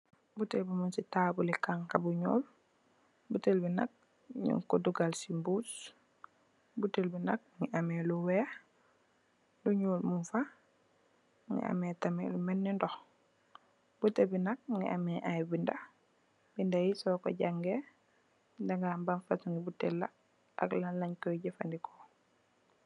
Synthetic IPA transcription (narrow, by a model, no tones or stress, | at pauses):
butelbimunsitaːbulikaŋkabuɲṵːl | butelbina̰k̚ | ɲṵŋkɔduɡalsimbus | butelbinak̚ŋiʔamɛluwɛ | luɲuːlmunfa | ŋḭa̰mɛtamɛ̰lumɛnːɛndɔx | butɛbinak̚ŋɡḭʔamɛʔajbinda | bindajisɔːkɔ̰ɟaŋɡɛ | daŋɡambanfasuŋɡibutɛlːa | ʔa̰klanlaɲkɔjɟafandikʰɔ